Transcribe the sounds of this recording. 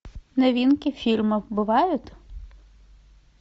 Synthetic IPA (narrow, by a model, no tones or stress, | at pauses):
nɐʋʲinkʲɪfʲilʲmɪwbɪʋɑjʊt̪